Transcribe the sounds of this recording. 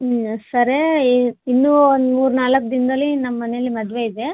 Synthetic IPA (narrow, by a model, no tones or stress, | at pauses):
sɐɾeinːuːond̪muːɾunaːlɐkːd̪ind̪ɐlːinɐmːɐːɐnejɐlːimɐd̪ʋe̞id̪e